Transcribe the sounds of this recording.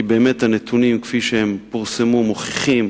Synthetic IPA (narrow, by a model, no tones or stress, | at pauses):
ibe̞ːme̞thanet̪ʰunimkfiʃehempuʁsemumoχiχim